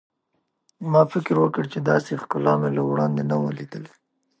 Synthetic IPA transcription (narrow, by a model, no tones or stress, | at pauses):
mɑfɪkɾwəkəɽt͡ʃed̪ɑsexkʊlɑmelawɽɑnd̪enawəlid̪əle